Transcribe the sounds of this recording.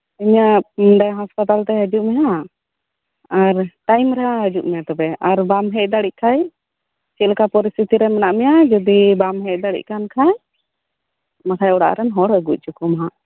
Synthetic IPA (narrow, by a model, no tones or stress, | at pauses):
iɲaʔɖajɦaspat̪alt̪ɛəd͡ʒuʔmɛɦa | aɾʈajmɾɛɦaəd͡ʒuʔmɛjat̪ɔbɛaɾbamɦɛc̚ˀd̪aɽic̚kʰaj | t͡ʃilkapɔɾist̪it̪iɾɛmɛnaʔmɛjad͡ʒɔd̪ibamɦɛc̚d̪aɽḭc̚kankʰaj | makʰajɔɽa̰ʔɾɛnɦɔɽəɡuc̚ˀt͡ʃukumɦa